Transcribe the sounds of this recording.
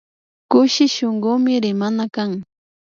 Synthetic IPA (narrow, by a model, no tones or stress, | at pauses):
kʊʃɪʃoŋɢʊmɪɾɪmanakaŋ